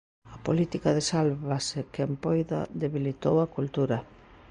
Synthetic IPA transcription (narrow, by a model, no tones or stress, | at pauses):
ɐpolit̪ikaðesalβasekempojða̰ðeβilit̪owakult̪uɾa